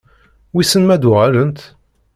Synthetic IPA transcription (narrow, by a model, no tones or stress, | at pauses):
wisənmæd̪ʁælənt̪